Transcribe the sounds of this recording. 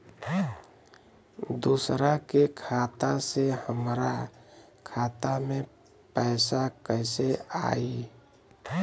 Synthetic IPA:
d̪usɾakekʰaːt̪asehəmɾa | kʰat̪amẽ | pəɪsakəɪsea̰i

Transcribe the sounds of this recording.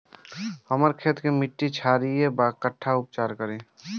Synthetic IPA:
həməɾkʰeːt̪kemɪʈːit͡ʃʰaːɾiebakəʈʰːaʊp̚t͡ʃaːɾkəɾẽː

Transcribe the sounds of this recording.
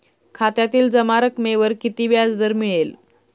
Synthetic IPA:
kʰat̪jat̪iːld͡zəmaɾəkmeʋəɾkit̪iːʋjad͡zd̪əɾmiɭel

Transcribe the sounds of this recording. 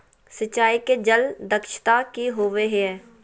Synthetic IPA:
sət͡ʃːaːiked͡ʒəld̪əkʃt̪akiɦoːʋeɦeɛː

